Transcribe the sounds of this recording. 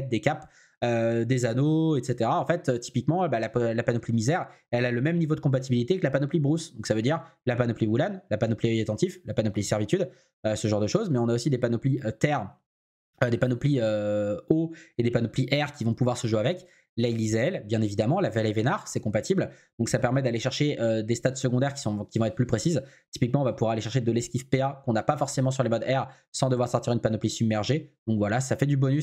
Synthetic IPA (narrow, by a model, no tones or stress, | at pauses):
ɛt̪̚d̪ekap | ød̪ezanoɛt̪set̪eʁaɑ̃fɛt̪øt̪i̥pikmɑ̃balaplapanɔplimizɛʁ | ɛlaləmɛmnivod̪əkɔ̃p̬at̪̬ibilit̪ekəlapanɔplibʁusd̪ɔ̃ksavød̪iʁlapanɔpliwulanlapanɔpliœat̪ɑ̃t̪iflapanɔplisɛʁvit̪yd̪ | øsəʒɑ̃ʁd̪əʃozmɛɔ̃naosid̪epanɔpliøt̪ɛʁ | ød̪epanɔpliøoed̪epanɔpliʔɛʁkʲivɔ̃puvwaʁsəʒwavɛk | lalizeɛlbjɛ̃nevid̪amɑ̃lavalɛvenaʁsɛkɔ̃pat̪ibld̪̥ɔ̃ksapɛʁmɛd̪aleʃɛʁʃeød̪est̪at̪səɡɔ̃d̪ɛʁkʲi̥sɔ̃kʲivɔ̃ɛt̪χplypχesizt̪i̥pikmɑ̃ɔ̃vapuvwaʁaleʃɛʁʃed̪əlɛskʲifpeakɔ̃napafɔʁsemɑ̃s̬yʁlemɔd̪ɛʁ | sɑ̃d̪əvwaʁsɔʁt̪iʁynpanɔplisybmːɛʁʒed̪ɔ̃kvwalasafɛd̪ybɔnys